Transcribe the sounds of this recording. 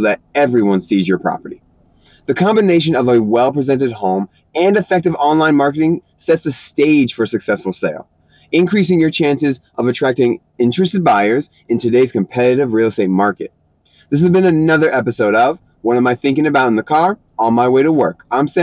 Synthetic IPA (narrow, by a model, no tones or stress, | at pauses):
lɨɾɛvɹiwʌ̃nsizjə˞pʰɹ̥ɑ̰pə̰˞ɾi | ðɨkʰɑ̃mbɨneɪʃ̬ɨ̃nʌvɨwɛlˠpʰɹ̥izɛ̃ntɨd̚hõʊ̃m | ɨ̃nɨfɛk̚tɨvɑ̃nlãɪ̃nmɑɹkɨɾɪ̃ŋ | sɛtsɨsteɪd̥ʒ̥fə˞sɨksɛsfl̩ˠseɪlˠ | ɨ̃nkʰɹ̥is̬ɪ̃ŋjə˞t͡ʃʰæ̃nsɨzʔʌvɨtʰɹ̥æk̚tɪ̃ŋ | ɪ̃nt͡ʃɹ̥ɨstɨd̚baɪə˞z | ɨ̃ntʰɨdeɪz̥kɨ̃m̩pʰɛɾɨɾɨvɹil̩ˠəsteɪt̚mɑɹkɨ̰t̪̚ | ðɪs̬ɨzbɨ̃nɨnʌðə˞ʔɛpɨsoʊɾʌv | wʌ̃nə̃maɪθɪ̃ŋkɪ̃ŋɨbaʊɾ̃n̩ðɨkʰɑɹ | ɔnˠmaɪweɪɾəwɜ˞kãɪ̃msɛ